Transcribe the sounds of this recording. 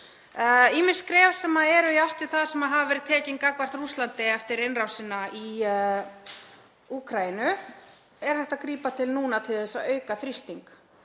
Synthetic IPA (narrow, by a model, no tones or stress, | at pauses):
imɪnskɾɛːv̥sɛmaɛɾʏiaht̪ɪɾ̥θaðsɛmaðɦavavɛːɾɪt̪ʰɛːciŋkakvar̥t̪ɾruslant̪ɪɛft̪ɪɾɪnrawsɪnːaʔi | uːkʰɾajɪnʏ | ɛɾ̥hajht̪akɾiːpat̪ʰɪlnuːnat̪ʰɪðɛsaœːɥkaθɾist̪iŋk